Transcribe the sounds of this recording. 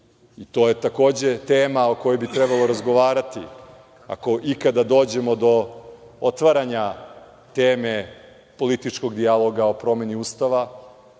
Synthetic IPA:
it̪o̞ːje̞t̪ako̞ːd͡ʑe̞t̪eːmao̞ko̞jobit̪ɾɛbalo̞ɾazɡo̞ʋaːɾat̪ḭ | a̰ko̞ʔikad̪ad̪o̞ːd͡ʑe̞mo̞d̪o̞ | ot̪ʋaɾaɲa | t̪eːme | po̞lit̪it͡ʃko̞ɡd̪ialˠo̞ɡao̞pɾo̞me̞niuːst̪aʋa

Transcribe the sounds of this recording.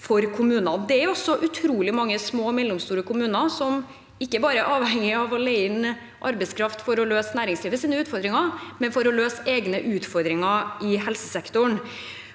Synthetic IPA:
fɔɾkʰʊmʉːnɑd̪ɛæɾjʊɔsɔʔʉt̪ʰɾuːlɪmɑŋːəsmoːmɛd̪ɛmst̪uːɾəkʊmʉːnɑsɔm | ɪkːəbɑːɾəʔɑːʋhɛŋːɪɑʋɔleɪɪn | ʔɑ̰ɾbɛɪskʰɾɑft̪fɔɾɔløːsnæːɾɪŋsliːʋəsiːnəʉːt̪fɔɾd̪ɾɪŋɑmɛnfɔɾɔløːseːɡnəʔʉːt̪fɔɾd̪ɾɪŋɑɪhɛlsəsɛkt̪ʊɳ

